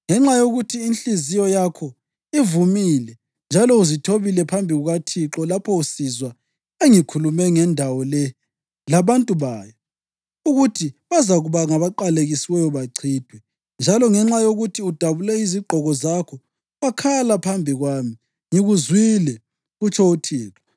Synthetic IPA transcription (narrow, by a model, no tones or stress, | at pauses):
ŋɛŋ͡ǁajoɣutʰiːnɬizijɔjakʰɔ | ivumiːlɛ | nd͡ʒʱalɔuzitʰoβilɛpʰambʱiɣuɣatʰiǁɔlapʰɔusizwa | eŋikʰulumɛŋɛndʱawɔlɛ | laβantʼuβaːjɔ | uɣutʰiβazaɣuβaŋaβaǃaleɣisiwɛjɔβaǀʰiːd̥ʱwɛ | nd͡ʒʱalɔŋɛŋ͡ǁajoɣutʰiud̥ʱaβulɛiziɡ͡ǃʱɔɣɔzakʰɔ | wakʰalapʰambʱiɣwami | ŋiɣuzwilɛ | ɣut͡ʃʰɔutʰiːǁɔ